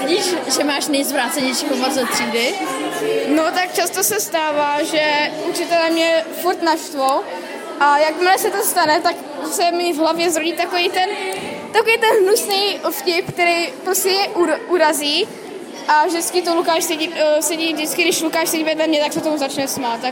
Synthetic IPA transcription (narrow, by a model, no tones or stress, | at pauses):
ɟiːʃʒɛmaːʃnɛjzvɾaːt̪t͡sɛɲɛjʃiːpomod͡zzat̪r̥iːdɪ | not̪akt͡ʃast̪osɛst̪aːvaːʒɛut͡ʃɪt̪ɛlɛmɲɛfuɾt̪naʃt̪vow | ʔajakmɪlɛsɛt̪ost̪anɛt̪ak | sɛmivɦlavjɛzɾoɟit̪akovijt̪ɛn | t̪akovijt̪ɛnɦnusnɛjfcɪp̚k̚t̪ɛɾɛjpɾoscɛjɛʔuʔuɾaziː | ʔavʒdɪt͡skɪt̪olukaːʃsɛɟisɛɟiːvdɪt͡skɪɡdɪʃlukaːʃsɛɟivɛdlɛmɲɛt̪aksɛt̪omuzat͡ʃnɛsmaːt̪a